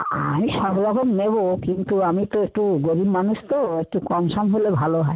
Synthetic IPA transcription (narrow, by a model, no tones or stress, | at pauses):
a̰mĩsɔbɾɔkɔmnebokint̪uamit̪ɔek̚ʈuɡoɾibmanust̪ɔek̚ʈukɔmsɔmɦolebʱaloɦae